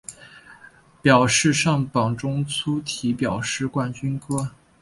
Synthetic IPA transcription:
pjɑ˨˩ʊʂɻ̩˥˧ʂɑ˥˩ŋpɑ˨˩ŋʈ͡ʂʊ˥ŋt͡sʰu˥t̪ʰi˧˥pjɑ˨˩ʊʂɻ̩˥˧kwa˥˩nt͡ɕy˥nkɤ˥

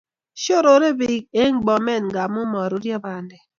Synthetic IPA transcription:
ʃo˦ɾo˨˦ɾe˦bi˨˦k̚e˦ŋ͡m̩˦ɡ͡bɔ˨me˦˨n̩˨ɡa˨mu˦mɔ˨ɾu˦djɔ˦ba˨nde˨

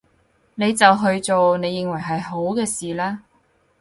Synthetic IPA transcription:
ne˨˧jt͡sɐ˨wɦɵ˧ɥt͡so˨wne˨˧jːɪ˨ŋwɐ˨˩jɦɐ˨jɦo˨˥wkɛː˧siː˨laː˥

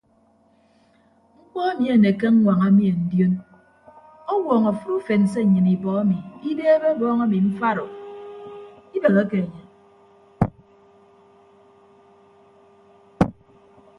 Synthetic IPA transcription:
ŋ͡m̩˦k͡pɔ˦a˦mi˨e˨ne˨ke˦ŋ̩˦ŋʷa˨ŋa˦mi˨e˨n̩˦djo˦n | ɔ˦wɔː˨ŋa˨fu˦ɾu˦fe˨n̩˨s̬e˦˨ɲɨ˨ni˨bɔ˨a˦mi˨i˦beː˦e˦be˦bɔː˦ŋa˦mi˨m̩˦fa˦ɾo˨ | i˦be˨ɣa˦ke˨a˨ɲa˨

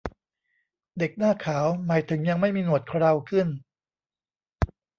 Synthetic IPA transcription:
de˨˩k̚naː˥˩kʰaː˩˦wmaː˩˦jt̪ʰɯ˩˦ŋja˧ŋma˥˩jmiː˧nu˨˩ət̪̚kʰɾa˧wkʰɯ˥˩n

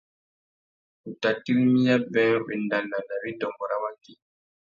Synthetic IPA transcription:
ku˨ta˨tːi˦ɾi˦mi˦ja˦bɛ˦ŋ˦ɓɛ˨nda˨nda˨nda˨bi˦dɔ˨mbɔ˨ɾa˦ma˦ki˦

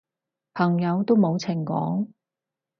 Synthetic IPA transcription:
pʰɐ˨˩ŋjɐ˨˧wt̪o˥wmo˨˧wt͡sʰɪ˨˩ŋkɔ̰ː˨˥ŋ

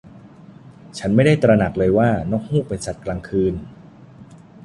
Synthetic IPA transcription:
t͡ɕʰa˦˥nma˥˩jda˥˩jt̪ɾa˧na˨˩k̚lɤː˧jwaː˥˩nɔː˦˥k̚huː˥˩pe˧nsa˨˩t̪̚klaː˧ŋkʰɯː˧n

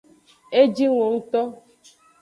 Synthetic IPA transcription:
e˦d͡ʒi˦ŋo˨ŋ̩˦t̪ɔ˦

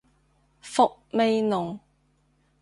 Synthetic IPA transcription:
fʊ˨k̚me˨˧jnʊ˨ŋ

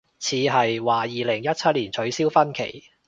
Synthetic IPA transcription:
t͡sʰiː˨˧ɦɐ˨jwaː˨jiː˨˩lɪ˨˩ŋjɐ˥t̚t͡sʰɐ˥t̚liː˨˩nt͡sʰɵ˨˥ɥsiː˥wfɐ˥nkʰḛ˨˩j

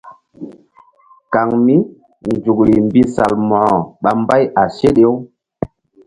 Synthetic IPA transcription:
ka˨ŋmi˦ | nd͡ʒu˨kli˨mbi˦sa˨lmɔ˨hɔ˨ɓa˨mba˦ja˨se˦ɗe˦w

